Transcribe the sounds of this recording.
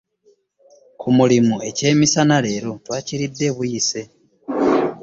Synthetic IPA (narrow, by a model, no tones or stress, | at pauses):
kʰumulimue̞ce̞ːmisanale̞ːɾo̞twaːciɾidːe̞βujise̞